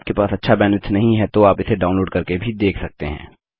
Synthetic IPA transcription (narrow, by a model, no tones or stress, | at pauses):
pkepaːsɐtːʃʰabɛːnɪt̪ʰnɐɦĩɦɛt̪oaːpɪseɖaːʊnloːɖkɐɾkebʱid̪eːkʰsɐk̚t̪eɦɛ̰̃ː